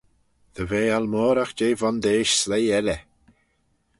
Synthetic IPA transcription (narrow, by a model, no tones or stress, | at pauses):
ðəveːalmɔːɾaxd͡ʒeːvɔnd̪eːʃslejɛlɛ